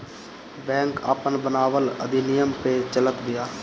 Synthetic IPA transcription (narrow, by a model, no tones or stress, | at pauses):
bɛ̃ːŋka̰ːpənbənaːʋələ̰d̪inɪjəmpet͡ʃələt̪bɪjaː